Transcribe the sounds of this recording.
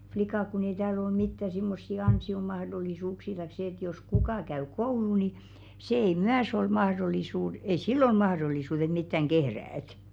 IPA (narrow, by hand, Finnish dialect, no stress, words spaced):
flikɑˑk kun ei tæːl ol mitːæ simːosːi ɑnsiomɑhdolˑisuːksiː tɑik se ĕt jos kukɑˑ kæy kouluː ni seˑ ei myæs ol mɑhrolˑisuːd ei silː ol mɑhɾolˑisuːt et mitːæŋ ɡ̊ehræːt